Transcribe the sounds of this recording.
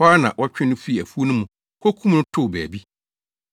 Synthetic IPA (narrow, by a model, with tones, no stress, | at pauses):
aː˦nã̰˨ʔɔ˦t͡ɕᶣɪ̃˦nʊ̃˦fi˦˨æ˨fu˦o˦nʊ̃˦mũ˨ | kʰɔ˦kʰũ˦mnʊ̃˦tʰʊ˦˨bæː˨bi˦